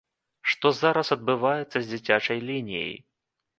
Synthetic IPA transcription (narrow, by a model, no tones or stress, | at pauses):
ʂt̪ɔzaɾɐsɐd̪̚bɨvajɛt̪sːɐzʲd͡zʲit͡sʲat͡ʂɐjlʲinʲij̰j